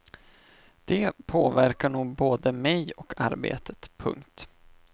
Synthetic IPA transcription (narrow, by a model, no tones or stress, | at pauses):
d̪̥ɛpʰoːvæɾkaɳuːɡ̚boːd̪əmɛjɔkʰaɾbḛːt̪ʰə̥t̪pʰɵ̰ŋkt̪